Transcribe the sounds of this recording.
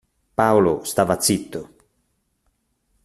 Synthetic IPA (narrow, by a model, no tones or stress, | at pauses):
paolost̪aːvat̪sit̪ːo